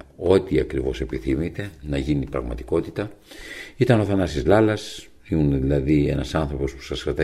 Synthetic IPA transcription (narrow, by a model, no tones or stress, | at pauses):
o̞t̪iɐkɾivo̞se̞piθimit̪e̞nɐʝinipɾɐ̰ɣmɐt̪i̥ko̞t̪it̪ɐ | it̪ɐno̞θɐnɐst̪izlɐlɐs | imuneðilɐðie̞̰nɐsɐnθɾo̞po̞spu̥sɐsxɾɐt̪ɐ